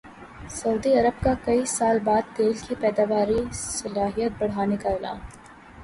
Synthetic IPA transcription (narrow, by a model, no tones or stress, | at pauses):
sɐuːd̪iɐɾəb̚kakɐisaːlbaːd̪̚t̪eːlkipɛːd̪aːʋaːɾisɐlaːɦijət̪̚bɐɽ̤aːnekaɪla̰ːm